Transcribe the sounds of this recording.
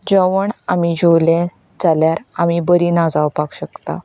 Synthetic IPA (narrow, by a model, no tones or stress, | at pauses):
d͡ʑəʋəɳamid͡ʑʱowlɛ̃ | d͡zaljaɾamibəɾiːnad͡zaʋpakɕəkt̪a̰